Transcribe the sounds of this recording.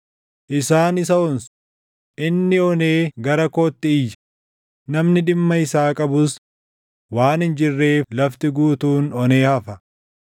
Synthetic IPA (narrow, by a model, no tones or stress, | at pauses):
ʔɪsaːnɪs̬ɐʊns | ʔɪnːɪɔne̞ːɡɐɾɐkɔːt̪ːɪɪjːɐ̥ | nɐmnɪᶑɪmːɐɪsaːkʼɐbʊs | waːnɪnd͡ʒɪrːe̞ːflɐft̪ɪɡuːt̪uːnɔne̞ːhɐfɐ